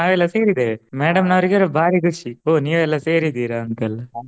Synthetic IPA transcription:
naːʋɛlːɐseːɾid̪eemeːɽɐmnɐʋɾiɡɐɾbʱaːɾikuʃioːniːjɐʋɛlːɐseːɾid̪iːɾaɐnt̪ɐlːɐ

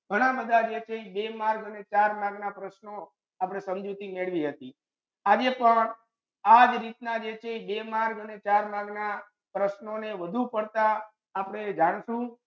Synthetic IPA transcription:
ɡʱəɽ̃abəd̪ad͡ʒet͡ʃʰebemaɾɡənet͡ʃaɾmaɾɡnapɾəʃno | apɽ̃esəmd͡ʒut̪imeɭʋiɦət̪i | ad͡ʒepəɳ | ad͡ʒɾit̪nad͡ʒet͡ʃʰebemaɾɡənet͡ʃaɾmaɡna | pɾəʃnoneʋəd̪ʱupəɽt̪aː | pəɽ̃ed͡ʒaɽ̃ʃũ

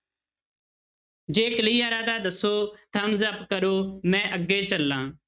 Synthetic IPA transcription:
d͡ʒeːkliːaːɾaːd̪aːd̪əsoːt̪ʰəmzəpkəɾoːmɛ̃ːʔəɡeːt͡ʃəlːãː

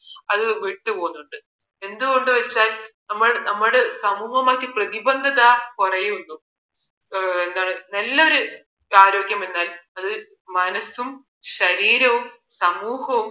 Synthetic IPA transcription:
ɐðɨʋiʈːupo̞ːnːuɳɖɨ | e̞nd̪uɣo̞ɳɖɨʋɐt͡ɕːaːlnɐmːɐɭnɐmːɐɽesɐmuːhɐmakːiprɐðibɐnd̪ʱɐðɐkurɐjuunːu | e̞nd̪aːɳɨnɐlːɐo̞ɾu | aːɾo̞ːɡjɐmenːaːlɐðɨ | mɐnɐsum | ɕɐɾiːɾɐʋum | sɐmuːhɐʋum

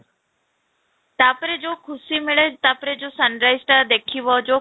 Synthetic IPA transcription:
t̪aːpɾed͡ʑokʰʊsimɪɭet̪aːpɾed͡ʑoːsənɾaːɪzʈad̪eːkʰiʋɔd͡ʑoː

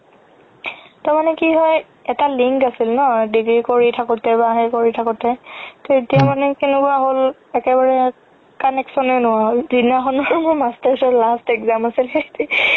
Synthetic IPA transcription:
tamanɛkiɦɔj | ɛtaliŋkasilnɔɦɔjdiɡɹikoɹitʰakɔtɛbaɦɛkoɹitʰakʊtɛtɔetijamanɛkenʊkʊaɦolɛkɛbaɹɛ | kanɛksɔnɛnʊwaɦolzinaxɔnɔɹmʊɹmastasɔlastɛkzamasilxeti

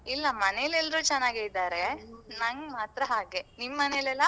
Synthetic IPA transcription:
ilːɐmɐnejlɛlːɾuːt͡ʃɛnːaːɡeid̪aːɾenɐŋɡmaːt̪ɾɐɦaːɡenimːɐnejlɛlːɐ

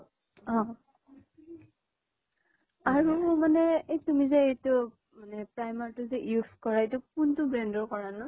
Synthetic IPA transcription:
ɔ̃ | aɹumanɛejtumizɛejtʊ | manɛpɹajmaɹtʊzɛjuskɔɹaetʊk̚untʊbɹɛndɔɹkɔɹanɔ

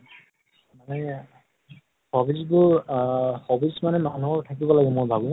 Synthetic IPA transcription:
manɛ | xɔbizbʊɹ | xɔbismanɛmanuɔɹtʰakibɔlaɡɛmʊɹbʱabu

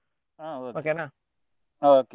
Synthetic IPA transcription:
aoʔokena | ooke

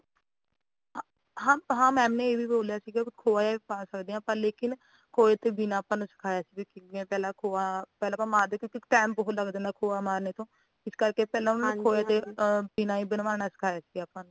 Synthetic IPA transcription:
ɦãːɦãːmɛ̃ːmnẽːeːʋiːboːljaːsiːɡakʰoːaːjaːpãːnsəkd̪eːãːpãːleːkɪn | kʰoːeːt̪eːbinãːpanõsə̥kʰaːjaːsiːbikɪẽːpɛːlãːkʰoːaːpɛːlãːpãːmaːɾd̪eːkjõːkɪʈɛːmbəɦt̪ləɡd̪ẽːnd̪aːkʰoːaːmaːɾneːt̪õː | ɪskəɾkeːpɛːlãːʊnaːnẽkʰoːeːt̪eːbinaːiːbənʋaːnaːsə̥kʰaːjaːsiːɡaːpãːn

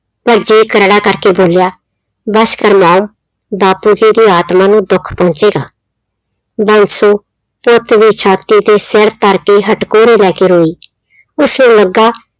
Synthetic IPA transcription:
pəɾd͡ʒiːkəɾɽaːkəɾkeːboːljaː | bəskəɾmaːm | baːpuːd͡ʒiːd̪iːaːt̪maːnũːd̪ʊkʰpɔ̃ːnt͡ʃeːɡaː | bənsoː | pʊt̪d̪iːt͡ʃʰaːt̪iːt̪eːseɾt̪əɾkeːɦəʈkoːɾeːlɛːkeːɾoːiː | ʊsnũːləɡːaː

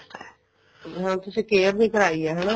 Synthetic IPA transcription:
ɦãt̪ʊsĩːkeːɾnĩːkəɾaːiɛɦɛnaː

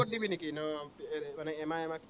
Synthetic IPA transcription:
ɔdibinikinɔemaneemaemak

